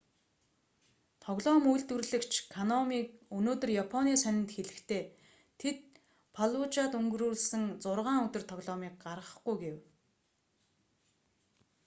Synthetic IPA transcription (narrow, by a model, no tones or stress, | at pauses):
t̪ʰɔɣɮɔːmujɮt̪ŭrɮɘ̆kt͡ɕʰkʰanɔmiːk̚ɵnoːt̪ɵ̆rjapʰɔniːsœnʲɪ̆nt̪xeɮɘ̆kt̪ʰeː | t̪ʰet̪̚ | pʰaɮut͡ɕaːt̪ɵŋɡɵ̆ruːɮsɘ̆ŋt͡sʊrʁaːŋɵt̪ɵ̆r̥t̪ʰɔɣɮɔːmiːk̚ɢarʁə̆χɡujɡew